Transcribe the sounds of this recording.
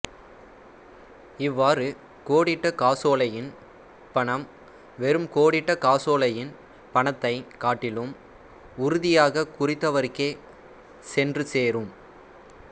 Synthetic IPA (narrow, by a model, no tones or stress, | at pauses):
ɪʋːaːɾɯ | koːɽɪʈːɐkaːsoːlɐjɪn | pɐɳɐm | ʋɛɾɯmkoːɽɪʈːɐkaːsoːlɐjɪn | pɐɳɐt̪ːɐɪkaːʈːɪlɯm | ʊɾʊðɪjaːɣɐkʊrɪt̪ːɐʋɐɾɯkːeː | sɛndrɯseːrɯm